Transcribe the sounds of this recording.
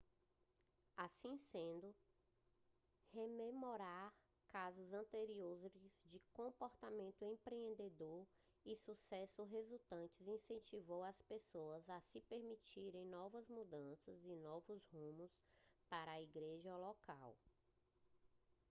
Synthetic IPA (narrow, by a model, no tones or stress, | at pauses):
asĩsẽnd̪ʊ | hememoɾaɾ | kazʊzɐ̃nt̪eɾiozɪzd͡ʒɪkõpɔɾt̪amẽnt̪ʊẽpɾeẽnd̪ed̪oɾ | ɪsusɛsʊɦezut̪ɐ̃t͡ʃɪzĩsẽnt͡ʃivowɐspesoɐzɐsɪpeɾmit͡ʃiɾẽj̃nɔvɐzmud̪ɐ̃sɐzɪnɔvʊzhũmʊspaɾɐːiɡɾeʒɐlɔkaw